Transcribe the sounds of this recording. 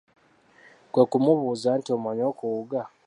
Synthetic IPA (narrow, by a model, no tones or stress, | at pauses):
kwakumuβuːzantiomaɲoːkuuɡa